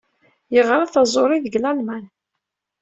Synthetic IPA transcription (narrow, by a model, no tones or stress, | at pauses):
jəʁɾˤɑθɑzˤoɾˤiðəɡlælmæn